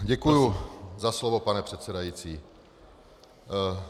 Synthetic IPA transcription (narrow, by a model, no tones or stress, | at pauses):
ɟɛkujuzaslovopanɛpr̝̥ɛt̪t͡sɛdajiːt͡siː